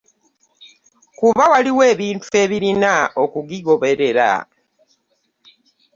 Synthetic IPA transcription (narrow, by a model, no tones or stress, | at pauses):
kuβawaliwe̞ːβiːntue̞βiɾinaʔo̞kuɡiɡo̞βe̞ɾe̞ɾa̰